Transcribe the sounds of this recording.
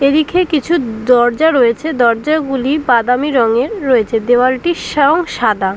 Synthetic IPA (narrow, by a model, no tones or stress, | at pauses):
eɾikʰekit͡ɕʰud̪ɔɾd͡ʑaɾojet͡ɕʰed̪ɔɾd͡ʑaɡulibad̪amiɾɔŋeɾːoet͡ɕʰed̪eoaɾʈiʃoŋʃad̪a